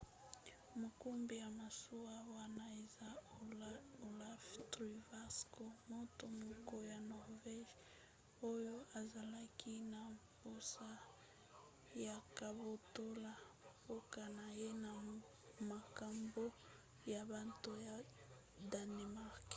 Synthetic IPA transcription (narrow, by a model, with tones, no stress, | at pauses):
mo˨ku˦mbi˨ja˨ma˨su˦wa˦wa˦na˦e˨za˦oo˨la˦ftʁi˨va˦sko˦mo˦to˨mo˨ko˦ja˨nɔ˨ʁvɛ˦ʒ | o˦jo˦a˨za˨la˦ki˦na˨mpo˦sa˦ | ja˨ka˨bo˨to˦la˦ | po˦ka˨na˨je˦na˨ | ma˨ka˨mbo˦ | ja˨ba˦to˦ja˨ | da˨ne˨ma˦ʁk